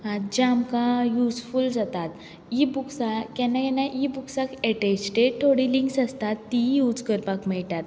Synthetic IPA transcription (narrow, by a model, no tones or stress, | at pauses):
at̪d͡ʑamkãjusfuld͡zat̪at̪ | ibuksakɛ̃nakɛnãʔibuksakɛʈesʈeʈʰoɽiliŋksəst̪at̪ːijud͡zkəɾpakmiɭt̪at̪